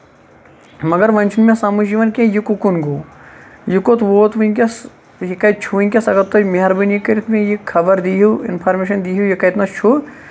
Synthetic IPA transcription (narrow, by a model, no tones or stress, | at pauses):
mɐɡɐɾʋɐnʲt͡ʃʰunmẽsamud͡ʒiːʋɐnkʲẽjikukunɡu | jukot̪ʋoːt̪ʋiŋkʲɐs | jikɐjt͡ʃʰuʋiŋkʲɐsɐɡɐɾt̪ːomiɦɐɾbinjikːɐɾit̪ʰmẽjikʰːɐbɐɾd̪iɦuɪ̰npʰaːɾmeːʃɐnd̪iːɦujikɐjt̪nɐst͡ʃʰu